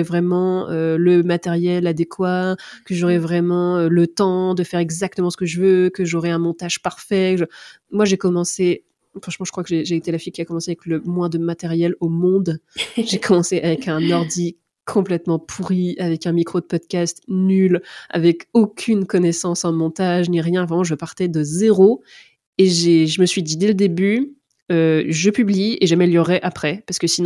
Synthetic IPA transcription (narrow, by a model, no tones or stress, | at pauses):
ɛvʁɛmɑ̃øləmat̪ɛʁjɛlad̪ekwakəʒɔʁɛvʁɛmɑ̃ølət̪ɑ̃d̪əfɛʁɛɡzak̚t̪əmɑ̃sə̥kəʒəvøkəʒɔʁɛɛ̃mɔ̃t̪aʒ̥paʁfɛkəʒ | mwaʒekɔmɑ̃se | fχɑ̃ʃmɑ̃ʒə̥kχwakəʒeʒeːt̪elafijkʲiakɔmɑ̃seavɛkləmwɛ̃d̪əmat̪ɛʁjɛlomɔ̃d̪ʒekʰɔmɑ̃seʔavɛkɛ̃nɔʁd̪i | kʰɔ̃plɛt̪mɑ̃pʰuʁiavɛkɛ̃mikχod̪əpɔd̪kʲast̪nyla̰vɛkokʲʰynkɔnɛsɑ̃sɑ̃mɔ̃t̪aʒniʁjɛ̃vɑ̃ʒəpaʁt̪ɛd̪əzeʁo | eʒeʒəməsɥid̪id̪ɛləd̪eby | øʒəpyblieʒamɛljəʁɛʔapχɛpaʁskəsinɔ̃